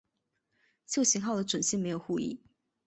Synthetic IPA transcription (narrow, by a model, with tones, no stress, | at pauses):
t͡ɕjo˥˩ʊɕi˧˥ŋxɑ˥˩ʊd̪ə˩ʈ͡ʂwə˨˩nɕi˥˩ŋme˧˥ɪjo˨˩ʊxu˥˧ḭ˥˩